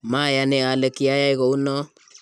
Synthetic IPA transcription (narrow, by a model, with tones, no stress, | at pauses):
ma˦˨ja˨ne˨a˨lɛ˨ki˨˦a˦ja˦i˦ɣɔ˨u˦nɔ˦